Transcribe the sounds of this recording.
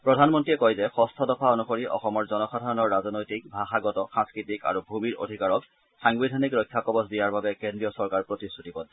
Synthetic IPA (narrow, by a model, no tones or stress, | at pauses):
pɹɔdʱanmɔntiɛkɔjzɛxɔstʰɔdɔpʰaonuxoɹiʔɔ̰xɔmɔɹzɔnɔxadʱaɔnɔɹːazɔnojtik̚bʱaxaɡɔtɔxãŋskɹitika̰ɹubʱumiɹo̰dʱikaɹɔk | xaŋbidʱanikɹɔjkʰːakɔbɔsdijaɹbabɛkendɹijɔsɔɹkaɹpɹotisutipɔd